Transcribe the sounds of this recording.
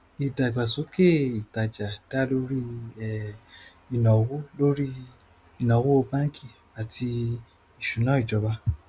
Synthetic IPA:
i˨da˨ɡ͡ba˨su˨˦ke˦˨i˨ta˨d͡ʒa˨d̥a˦lo˦ɾi˦ɛ˦ | i˨nɔ̃˨wo˦lo˦ɾi˦ | i˨nɔ̃˨˦wo˦o˧bã˦kʰi˦˨ | a˨ti˧ | i˨ʃu˨nã˨˦i˦˨d͡ʒɔ˨˧˦ba˧

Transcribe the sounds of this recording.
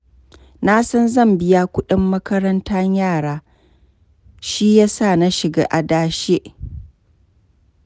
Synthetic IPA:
na˦sɐ˦nzɐ˦˨mbɪ˦ja˦kʷʊ˦ɗɪ˦mːɐ˦kɐ˦ɾɐ˦nta˦ɲjaː˦˨ɽaː˨˦ | ʃi˦jaː˦sa˦˨na˦ʃɪ˨ɡa̰ː˦ʔa˨daː˦ʃe˦ʔ

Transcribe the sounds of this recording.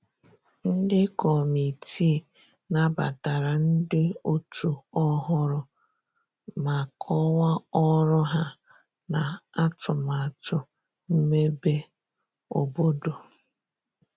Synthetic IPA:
n̩˦dɪ˦kɔ˨mi˨tʰi˦˨ | na˦ba̰˨ta˨ɾa˨n̩˦dɪ˦o˦tʰu˨ɔ˦ɦʊ˦ɾʊ˨ | ma˨kʰɔ˦wa˦ɔ˦ɾʊ˦ɦa˦ | na˨a˦tʊ˨ma˨tʊ˨ | m̩˦me˦be˦ | o˨bo˦do˨

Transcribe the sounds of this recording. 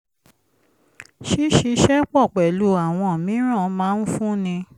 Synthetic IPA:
ʃi˦ʃi˧ʃɛ˦k͡pɔ˦˨k͡pɛ˨lu˨˦a˨w̃ɔ̃˧˨mĩ˨˦ɾ̃ã˦˨˦mãː˨˦n̩˦fũ˦nĩ˧

